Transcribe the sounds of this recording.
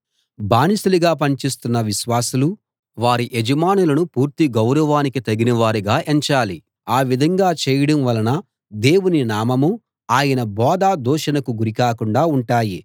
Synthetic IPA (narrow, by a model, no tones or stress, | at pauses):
bʱaːnisuluɡaːpɐɲt͡ʃist̪unːɐʋiʃʋaːsulu | ʋaːɾiʔed͡ʒɐmaːnulɐnupuːɾt̪iɡɐwɾɐʋaːnikit̪ɐɡinɐʋaːɾiɡaːʔeɲt͡ʃaːli | aːʋid̪ʱɐŋɡaːt͡ʃɛːjɐɽɐmʋɐlɐnɐ | d̪e̞ːwuninaːmɐmu | aːjɐnɐbɔːd̪aːd̪ɔːʃɐnɐkuɡuɾikaːkuɳɖaːuɳʈaːji